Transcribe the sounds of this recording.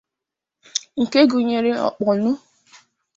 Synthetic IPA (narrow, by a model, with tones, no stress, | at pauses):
ŋ̩˨ke˦ɡu˨ɲe˨ɾe˦ɔ̰˨k͡pɔ˨nʊ˦